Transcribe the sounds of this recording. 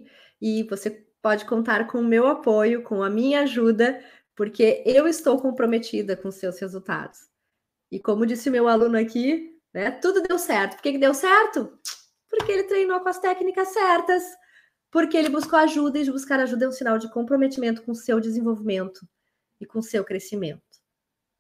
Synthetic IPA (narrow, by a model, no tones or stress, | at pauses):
ɪvose | pɔd͡ʒɪkõnt̪aɾkõʊmewapojʊkõɐmĩɲɐaʒud̪ɐ | poɾkʰeewɪst̪owkõpɾomet͡ʃid̪ɐkõʊsewshezuwt̪a̰d̪ʊs | ɪkõmʊd͡ʒisɪʊmewalũnʊaki | nɛt̪ud̪ʊd̪ewsɛɾt̪ʊ̥poɾkekɪd̪ewsɛɾt̪ʊ | poɾkeelɪt̪ɾejnowkõɐst̪ɛknikɐsɛɾt̪ɐs | poɾkeelɪbuskoaʒud̪ɐɪd͡ʒɪbuskaɾaʒud̪ɐ̃ũsinawd͡ʒɪkõpɾomet͡ʃimẽnt̪ʊ̥kõʊsewd͡ʒɪzẽvowvimẽnt̪ʊ | ɪkõsewkɾesimẽnt̪ʊ̥